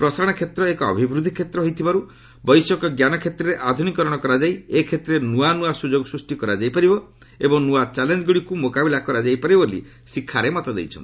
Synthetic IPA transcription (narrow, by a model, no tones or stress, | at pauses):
pɾɔsaɾɔɽ̃ɔkʰet̪ɾɔekɔɔ̰bʱibɾud̪ʱikʰet̪ɾɔɦojt̪ʰibaɾu | bɔjsɔkɔɡjanɔkʰet̪ɾɔɾeʔad̪ʱunikɔɾɔɽ̃ɔkɔɾad͡ʒajekʰet̪ɾenuanuasud͡ʒoɡɔsɾusʈikɔɾad͡ʒajpaɾibɔ | ebɔŋnuat͡ʃalend͡ʒɔɡuɽikumokabilakɔɾad͡ʒajpaɾibolḭ | sikʰːaɾemɔt̪ɔd̪ḛjt͡ʃʰɔ̰nt̪